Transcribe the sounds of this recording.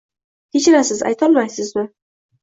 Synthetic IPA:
k̪ʲʰet͡ʃɪɾasɪza̰jt̪ʰɒlˠmajsɪzmɪ

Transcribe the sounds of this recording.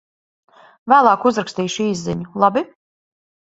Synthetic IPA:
væːlˠaːkuzɾakst̪iːʃiːzːiɲulˠabi

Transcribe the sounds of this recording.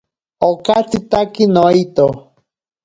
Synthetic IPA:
okat͡sit̪akinoit̪o

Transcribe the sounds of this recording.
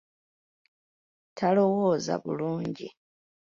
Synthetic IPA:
tʰalo̞woːza̰βṵluːɲɟi

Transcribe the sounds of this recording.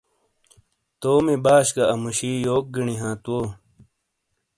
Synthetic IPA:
t̪oːmibaːɕkɐɐmuɕiːjoːk̚ɡiɳiɦãːt̪woː

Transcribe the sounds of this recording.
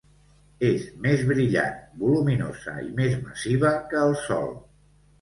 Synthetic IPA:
ezmezβɾiʎa̰nbulumino̰z̥ə̰ḭmezməsiβəkəːlˠsɔ̰lˠ

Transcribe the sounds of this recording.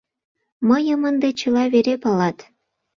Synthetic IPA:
məjəmənd̪et͡ɕə̆lɑβeɾepɑlɑt̪

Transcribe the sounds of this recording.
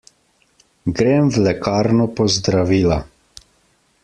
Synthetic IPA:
ɡɾeːmwlɛkaːɾnɔpɔzd̪ɾaʋiːla

